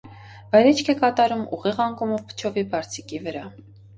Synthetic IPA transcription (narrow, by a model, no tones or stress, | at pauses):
vɑjɾɛt͡ʃʰkʰɛkɑt̪ɑɾumṵʁiʁɑŋkumɔvpʰə̥t͡ʃʰɔvibɑɾt͡sʰikivəɾɑ